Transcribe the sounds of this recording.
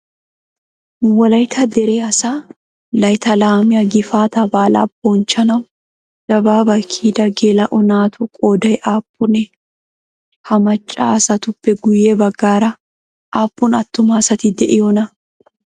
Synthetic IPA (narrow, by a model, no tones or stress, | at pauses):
wɐlɐjt̪ʰɐd̪ɛɾeːɐsaː | lɐjt̪ɐlaːmɪjɐɡɪfaːt̪ɐbaːla̰ːbɔnt͡ʃːɐnɐ | ɡ̥ɐbaːbɐkʰiːd̪ɐɡeːlɐʔʊnaːt̪ʊkʼoːd̪ɐɛʔaːpʼːʊnɛ | hɐmɐt͡ʃʼːa̰ːsɐt̪ʊpːɛɡʊjeːbɐɡːaːɾɐ | ʔaːpʼːʊnɐt̪ːʊmaːsɐt̪ɪd̪ɛʔɪjɔnɐ